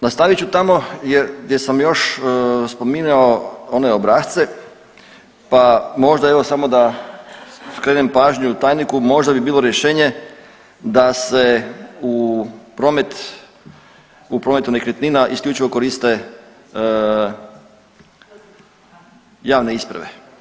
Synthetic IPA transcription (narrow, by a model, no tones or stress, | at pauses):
nast̪aʋit͡ɕut̪amo̞jeɾɡd̪ʲjesamjo̞ʃspo̞minaooneobɾaːxt̪se | pamo̞ʒd̪aeʋo̞samo̞d̪a | skɾeːnempaːʒɲut̪aːjnikumo̞ʒd̪abibiːlˠoɾjeʃeːɲe̞ | d̪aseupɾoːmet̪ | upɾome̞t̪unekɾʲet̪ninaʔisklʎʲuːt͡ʃiʋo̞ko̞ɾist̪e | jaːʋne̞ispɾa̰ʋḛ